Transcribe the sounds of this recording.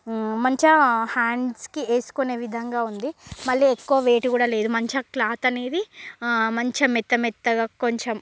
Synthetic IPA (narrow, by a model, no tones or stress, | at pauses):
mɐɲt͡ʃɐhaːɳɖskieːsu̥kone̞ːʋid̪ʱɐŋɡaːund̪imɐɭːiekːuʋɐʋe̞ːʈukuːɽaːle̞ːd̪umɐɲt͡ʃɐklaːt̪ɐne̞ːd̪imɐɲt͡ʃɐmit̪ːɐmit̪ːɐɡaːkoɲt͡ʃem